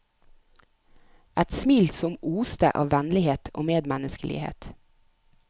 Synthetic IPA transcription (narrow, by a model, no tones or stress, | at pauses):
ʔæt̪smiːlsɔmʔuːst̪ə̰ʔɑ̰ːʋʋænlɪheːt̪ʰʔo̰ːmeːd̪mænəskəlɪ̰hḛːt̪